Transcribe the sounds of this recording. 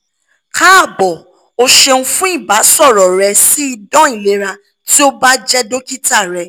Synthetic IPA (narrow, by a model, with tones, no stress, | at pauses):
ka˦a˦˨bɔ˨ | o˧ʃe˧nũ˧fũ˦i˦˨ba˨˦sɔ˦˨ɾɔ˨ɾɛ˧si˦i˧dɔ̃˦i˦˨le˨˦ɾa˧ | ti˦o˦ba˦d͡ʒɛ˦do˦ki˦ta˦˨ɾɛ˧